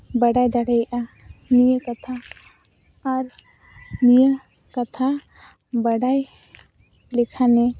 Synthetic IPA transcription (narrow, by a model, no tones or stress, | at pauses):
bəɽajd̪aɽɛjʔa | nijəkat̪ʰa | ɾ | nijə | kat̪ʰa | bəɖaj | likʰanɛ